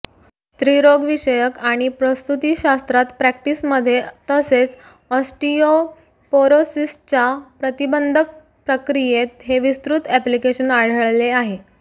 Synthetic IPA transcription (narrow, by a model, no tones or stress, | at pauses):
st̪ɾiɾoɡʋiɕəjəkaɽ̃ipɾəst̪ut̪iɕast̪ɾat̪pɾæk̚ʈisməd̪ʱːjet̪əset͡s | əsʈio | poɾosist͡ɕapɾət̪ibənd̪ʱək̚ | pɾəkɾijet̪ɦeʋist̪ɾut̪æplikeɕənaɽ̤əɭleaɦe